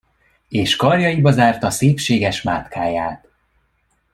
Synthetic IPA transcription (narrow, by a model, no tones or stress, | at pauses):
eːʃkɒrjɒjibɒzaːrt̪ɒseːpʃeːɡɛʃmaːt̪kaːjaːt̪